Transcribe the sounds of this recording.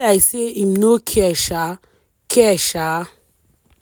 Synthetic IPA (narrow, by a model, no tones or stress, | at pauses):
aɪseimnokʰɛʃa | kʰɛʃa